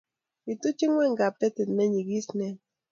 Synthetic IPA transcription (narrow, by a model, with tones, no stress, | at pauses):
i˨tu˦t͡ʃi˦ŋwɛ˦˨ŋɡa˨pɛ˦tɛ˨tnɛ˦ɲi˨ɡi˦snɛ˦